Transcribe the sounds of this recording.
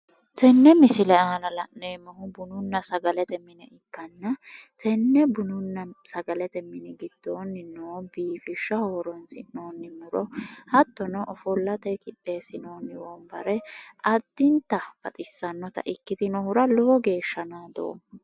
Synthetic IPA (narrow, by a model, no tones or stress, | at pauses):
t̪ɛnːɛmɪsɪlɛɐɐnɐlɐʔneːmɐɦʊbʊnʊnːɐsɐɡɐlɛt̪ɛmːɪnɛɪkːɐnːɐt̪ʰɛnːɛbʊnʊnːɐsɐɡɐlɛt̪ɛmːɪnɛɡɪd̪̥ːoːnːɪnoːbiːfɪʃːɐhoːɾɔnsɪoːnːɪmʊɾɔhɐt̪ːɔnɔʔɔfɔlːɐt̪ɛkʼɪᶑːe̞ːsɪnoːnːɪwɔmbɐɾɛʔɐd̪̥ːɪnt̪ɐb̥ɐt̪ʼɪsːɐnːɔt̪ɐ̰ʔɪkːɪd̪ɪnɔhʊɾɐlɔɔɡe̞ːʃːɐnaːd̪o̰ː